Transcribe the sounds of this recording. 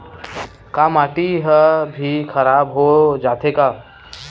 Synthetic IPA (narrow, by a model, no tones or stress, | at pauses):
kaːmaːʈiɦəbʱikʰəɾaːbɦod͡ʒaːt̪ʰekaː